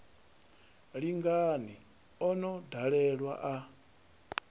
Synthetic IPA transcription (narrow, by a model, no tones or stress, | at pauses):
ɺiŋɡani | ɔnɔdʱaɺɛɺwa̰ʔa